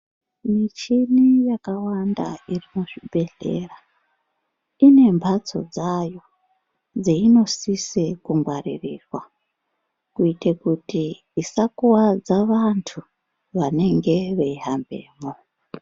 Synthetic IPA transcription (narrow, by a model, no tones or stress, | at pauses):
mit͡ʃinijakawanda̰irimuʐibʱe̞ɮe̞̰ːra | ine̞mbʱat͡so̞̰d͡zajo̞ | d͡zeino̞sisekuŋɡwaririːrwa | kuitekutiː | sakuwad͡zaʋantʰu | ʋane̞ŋɡe̞ʋe̞iɦambe̞̰ːmo